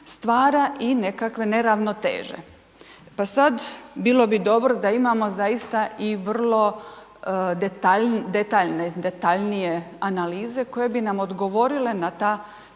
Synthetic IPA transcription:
st̪ʋaːɾaʔine̞kakʋe̞ne̞ɾaʋno̞t̪ḛːʒḛ | pasad̪biːlo̞bid̪o̞bɾo̞d̪aimamo̞zajist̪aʔiʋr̩lˠo̞ | d̪et̪ad̪e̞t̪aːʎned̪e̞t̪aʎnije̞analiːze̞ko̞je̞binamo̞d̪ɡo̞ʋo̞ɾile̞nat̪aː

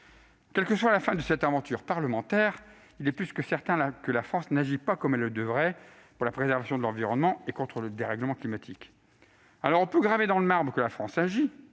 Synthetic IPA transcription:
kʲɛlkəswalafɛ̃d̪əsɛt̪ɛ̃vɑ̃t̪yʁpaʁləmɑ̃t̪ɛːʁ | ilɛplyskəsɛʁt̪ɛ̃akəlafχɑ̃snaʒipakɔmɛlːəd̪əvʁɛ | puʁlapχezɛʁvasjɔ̃d̪əlɑ̃viʁɔnmɑ̃ekɔ̃t̪χələd̪eʁɛɡləmɑ̃klimat̪ʰik | alɔʁɔ̃pøɡʁaved̪ɑ̃ləmaʁbʁəkəlafχɑ̃saʒi

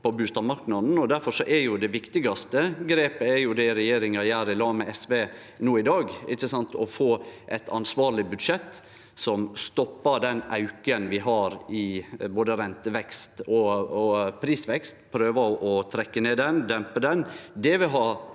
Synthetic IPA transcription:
pʰɔbʉːst̪ɑʋmɑɾknɑd̪n̩ɔd̪æɾfɔʂɔʔɛɾjʊd̪ɛʋɪkt̪ɪɡɑst̪əɡɾeːpəɛjʊd̪ɛɪɾɛjeːɾɪŋɑjæːɾɪlɑːmɛɛsʋeː | nuːɪd̪ɑːɡʔɪ̰çːəsɑnt̪ɔfoːʔɛt̪ʰɑ̰nsʋɑːɾɭɪbʉd̪ʂɛt̪ː | sɔmst̪ɔpːɑd̪ɛnʔɑʉkənʋɪɦɑɾɪboːd̪əɾɛnt̪əʋɛkst̪ɔ | pʰɾiːsʋɛkst̪pʰɾøːʋəʔɔt̪ʰɾɛkːəneːd̪ɛnd̪ɛmpəd̪ɛnd̪ɛʋɪɦɑː

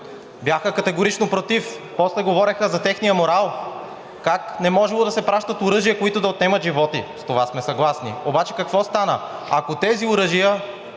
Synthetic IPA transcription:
bjaxəkɐt̪ɛɡoɾit͡ʃnopɾot̪ifpɔslɛɡovɔɾɛxəzɐt̪ɛxnijəmoɾalˠ | kaknɛmɔʒɛlˠod̪ɐsɛpɾaʃt̪ət̪ʊɾɤʒijəkoit̪ʊd̪ɐot̪nɛmət̪ʒivɔt̪ḭst̪ovasmɛsɐɡlˠasnḭobat͡ʃɛ̥kɐkvɔst̪anə̰akot̪ɛziʊɾɤʒijə

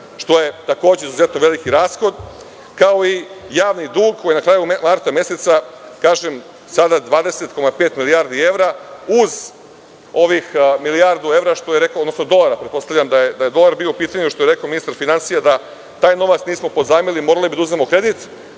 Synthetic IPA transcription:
ʃt̪o̞je̞t̪ako̞ːd͡ʑe̞izuze̞t̪no̞ʋe̞likiɾaːsxo̞d̪ | kao̞ijaːʋnid̪uːɡkʰːojinakɾaːjumaɾt̪amje̞set̪sakaːʒem | sad̪ad̪ʋaːd̪e̞set̪ko̞mapeːt̪miliaːɾd̪ie̞ʋɾauz | o̞ʋixmilijaɾd̪ue̞ʋɾaʃt̪o̞jeɾe̞kod̪nosnod̪o̞laɾapɾet̪̚po̞st̪aʋlʎʲamd̪ajed̪aje̞d̪o̞laɾbioupiːt̪aɲuʃt̪o̞jeɾe̞kaominist̪aɾfinansijad̪a | t̪aːjno̞ʋat̪sniːsmo̞po̞d̪zaːmilimo̞ːɾalibid̪auznemokɾe̞d̪it̪

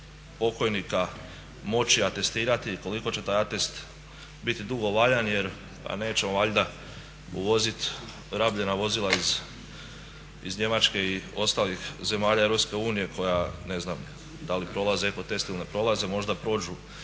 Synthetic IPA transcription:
po̞ko̞jnika | mo̞t͡ʃiat̪e̞st̪iːɾat̪iko̞liko̞t͡ɕe̞t̪aːjat̪e̞st̪ | bit̪id̪uɡo̞ʋaʎanje̞ɾ | pa̰ne̞ːt͡ɕe̞moʋaʎʲd̪a | ṵʋo̞zit̪ | ɾabʎe̞naʋo̞zilˠaiz | izɲe̞mat͡ʃke̞io̞st̪alixze̞maːʎaeɾo̞pske̞uːnije̞kʰo̞jane̞znam | d̪alipɾo̞lˠazeko̞t̪e̞st̪ilˠnepɾo̞lˠaze̞mo̞ʒd̪apɾo̞ːd͡ʒu

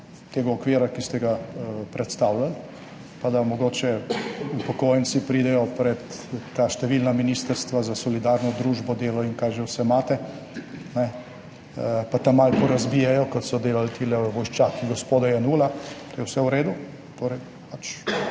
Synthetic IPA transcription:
t̪eːɡaɔkʋeːɾakist̪ɛɡapɾʔɛt̪st̪awlal | pad̪amɔɡoːt͡ʃɛupɔkoːjɛnt̪sipɾiːd̪ɛjɔpɾɛt̪ːaːʃt̪ɛʋilnaminiːst̪əɾst̪ʋazasɔlid̪aːɾnɔd̪ɾuːʒbɔd̪eːlɔiŋkajʒɛwsɛmaːt̪ɛ | nɛ | pat̪amalpɔɾazbijɛjɔkɔt̪sɔd̪eːlalt̪ilɛʋɔjʃt͡ʃaːkiɡɔspoːd̪ajɛnuːlat̪ojɛwsɛwɾeːd̪u | t̪oːɾɛj | pat͡ʃ

